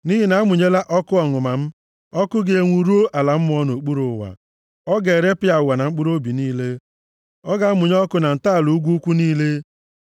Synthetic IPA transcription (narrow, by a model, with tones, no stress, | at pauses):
ni˦ɦi˦na˨˦mʊ˨ɲe˦la˦ʔɔ˦kʊ˦ɔ˨ŋʊ˨ma˨m̩˦ | ɔ˦kʊ˦ɡe˦e˨ŋʷu˨ɾu˦o˦ʔa˨la˨m̩˦m˦ɔ˦no˨k͡pu˦ɾʊ˨wa̰˨ | ɔ˦ɡe˨ɾe˦pɪ˦a˨wa˨na˨ŋ͡m̩˦k͡pu˦ɾo˦bi˨niː˦le˦ | ɔ˦ɡa˦mʊ˨ɲ˦ɔ˦kʊ˦na˨n̩˨ta˦˨lu˨u˦ɡʷu˦u˦kʷu˦niː˦le˦